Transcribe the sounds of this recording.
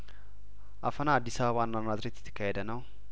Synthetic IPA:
ʔafənaad̪ːisaβəβanːamad̪ɾət̪jɛt̪ʰːə̥kʰːahed̪ənəw

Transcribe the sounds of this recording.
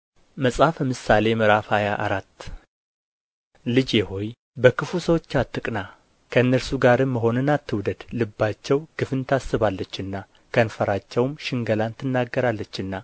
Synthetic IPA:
məsʼafəmɨsale̞mɨɾafhajaʔaɾat̪ː | lɨd͡ʒjeho̞j | bəkʰɨfusəwo̞t͡ʃːat̪ʰːɨkʼna | kʰəɨnːəɾsuɡaɾɨmːəɦo̞nɨnat̪ʰːɨwd̪əd̪lɨbːat͡ʃːɛwɡ̥ɨfɨnt̪ʰasːɨβalːət͡ʃːɨnːa | kʰənfəɾat͡ʃːɛwmʃɪŋɡəlant̪ʰːɨnːaɡːəɾalːət͡ʃːɨnːa

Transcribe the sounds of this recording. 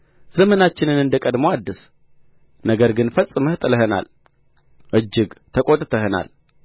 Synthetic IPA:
zəmənat͡ʃːɪnɨnɨnd̪əkʼəd̪moad̪ːɨs | nəɡəɾɡɨnfət͡ssʼɨməht̪ʼɨləɦəna̰l | ʔɨd͡ʒːɪɡt̪ʰəkʼot̪ʼɨt̪ʰəhəna̰l

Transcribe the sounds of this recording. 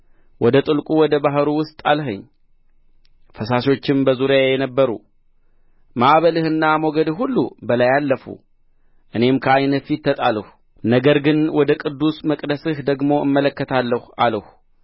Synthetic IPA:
wɔd̪ət̪ʼɨlkʼuwɔd̪əbaɦɾuwʊst̪ʼalɦəɲː | fəsaso̞t͡ʃːɪmbəzuɾjajɛnəbːəɾṵ | maʔβəlɨhɨnːamwɔɡəd̪ɨhhulːṵbəlajalːəfṵ | ʔɨne̞mkʰəajnət̪fit̪ːət̪ʼaləh | nəɡəɾɡɨnwɔd̪əkʼɨd̪ːusməkʼd̪əsɨhd̪əɡmo̞ɨmːələkːət̪ʰalːəhaləh

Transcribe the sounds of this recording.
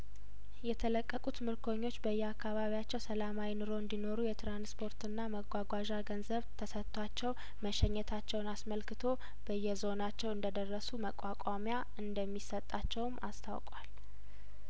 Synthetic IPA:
jɛt̪ʰələkʼːəkʼut̪mɨɾkʰo̞ɲːo̞t͡ʃːbəjːɛakʰːaβaβijat͡ʃːɛwsəlamawinɨɾo̞ɨnd̪ino̞ɾujɛt̪ʰɾanspʰo̞ɾt̪ɨnːaməɡʷaɡʷaʒaɡənzəβt̪ʰəsət̪ʰʼːwat͡ʃːɛw | məʃɛɲːɛt̪ʰat͡ʃːɛwnasməlkɨt̪ʰo̞ | b̥əjːɛzo̞nat͡ʃːɛwɨnd̪əd̪ərːəsuməkʼakʷʼamja | ɨnd̪əmːisət̪ʼːat͡ʃːɛwmʔa̰st̪ʰa̰wkʼal

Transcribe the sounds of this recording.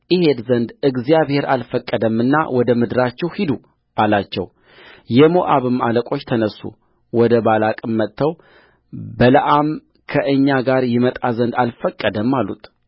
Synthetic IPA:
ʔɪhe̞d̪zənd̪ɨɡzijaβhe̞ɾalfəkʼːəd̪əmːɨnːa̰wʔɔd̪əmɨd̪ɨɾat͡ʃːɛwhid̪u | ʔalat͡ʃːɛ̰w | jɛmoʔaβɨmaləkʼo̞t͡ʃːt̪ʰənəsːṵ | wɔd̪əbalakʼɨmːət̪ʰːəw | bələʔam | kʰəʔɨɲːaɡaɾjɪmət̪ʼazənd̪alfəkʼːəd̪əmːalːṵt̪

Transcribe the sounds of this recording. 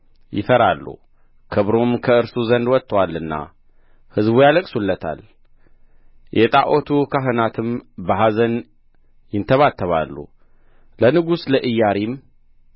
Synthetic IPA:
jɪ̰fəɾalːṵ | kʰɨβɾomkʰəɨɾsuzənd̪wɔt̪ːəwalːɨnːa̰ | hɨzbujaləkʼsulːət̪ʰa̰l | jʔɛt̪ʼaʔot̪ʰukʰaɦɨnat̪ʰɨmbəɦazən | jɪnt̪ʰəβat̪ʰːəβa̰lːṵ | lənɨɡusləʔɨjːaɾim

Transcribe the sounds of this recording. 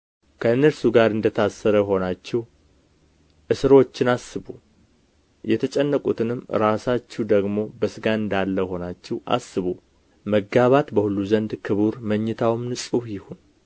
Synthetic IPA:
kʰəɨnːəɾsuɡaɾɨnd̪ət̪ʰasːəɾəjɦo̞nat͡ʃːɛw | ʔɨsɨɾo̞t͡ʃːɪnasːɨβu | jɛt̪ʰət͡ʃʼɛnːəkʼut̪ʰɨnɨmɾasat͡ʃːɛwd̪əɡmo̞bəsɨɡaɨnd̪alːəjho̞nat͡ʃːɛwʔa̰sːɨβu | məɡaβat̪bəhulːuzənd̪kʰɨβuɾməɲːɨt̪ʰawmnɨsʼujɪhun

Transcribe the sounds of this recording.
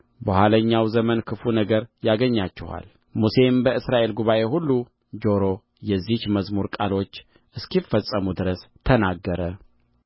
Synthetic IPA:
bəhʷwaləɲːawzəmənkʰɨfunəɡəɾjaɡəɲːat͡ʃːɪha̰l | muse̞mbəɨsɾaʔe̞lɡuβaʔe̞hulːu | d͡ʒo̞ɾo | jɛzːihməzmuɾkʼalo̞t͡ʃː | ʔɨskifːəsʼəmud̪ɨɾəst̪ʰənaɡːəɾə

